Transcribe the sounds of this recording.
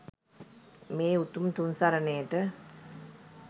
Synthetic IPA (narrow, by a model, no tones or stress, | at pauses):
meːut̪umt̪unsaɾənejəʈə